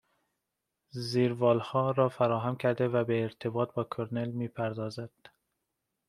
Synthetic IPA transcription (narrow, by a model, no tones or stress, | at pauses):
ziːɾvɒːlhɒːɾɒːfæɾɒːɦæmkʰæɾd̪evæbeːɾt̪ʰebɒːt̪̚bɒːkʰoɾnelmiːpʰæɾd̪ɒːzæd̪̥